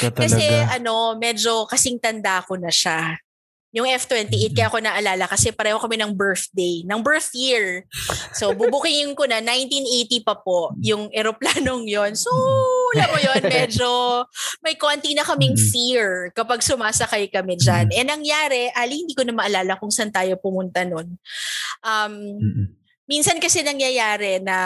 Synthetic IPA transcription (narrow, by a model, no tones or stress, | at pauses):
kɐsɛʔɐno̞mɛd͡ʒo̞kɐsɪŋt̪ɐnd̪ako̞nɐʃa | jʊŋʔɛft̪wɛnt̪iʔejt̪̚kɐjako̞nɐʔɐlaːlɐkɐsɛpɐɾɛhokɐmɛnɐŋbɛɹθd̪ejnɐŋbɛɹθjiɹso̞bubukɪŋɪŋkonɐnajnt̪inʔejt̪ipɐp̚o̞jʊŋʔɛɾoplaːnoŋjo̞nsolɐmojonmɛːd͡ʒo̞mɐjkont̪inɐkɐmɪŋfiɹkɐpɐɡsʊmaːsɐkajkɐmɛd͡ʒanʔɛnɐŋjaːɾɛʔaːlihɪnd̪iːkonɐmɐʔɐlaːlɐkʊŋsant̪aːjo̞pʊmʊnt̪ɐno̞nʔɐmː | insɐnkɐsɛnɐŋjɐjaːɾɛnɐ